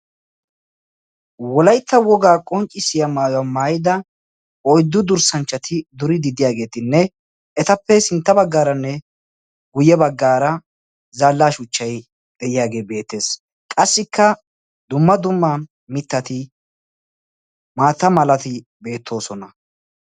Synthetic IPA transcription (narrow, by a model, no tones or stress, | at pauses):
wɔlɐjt̪ʰːɐwɔɡaːkʼɔnt͡ʃʼːɪsɪjɐmaːjɐmːaːjɪd̪ɐ | ɔjd̪ːʊd̪ʊɾsɐnt͡ʃːɐt̪ʰɪd̪ʊɾɪd̪ɪd̪ɪjaːɡe̞ːt̪ɪnːɛ | ɛt̪ɐpːɛsɪnt̪ːɐbɐɡːaːɾɐnːɛ | ɡʊjɛbɐɡːaːɾɐ | zaːlːaːʃʊt͡ʃːɐj | ɡɛjɪjaːɡe̞ːbe̞ːt̪ːe̞ːs | kʼɐsːɪkʰːɐ | d̪ʊmːɐd̪ʊmːaː | mɪt̪ːɐt̪ɪ | maːt̪ːɐmɐlɐt̪ɪ | be̞ːt̪ʰːo̞ːsɔnɐ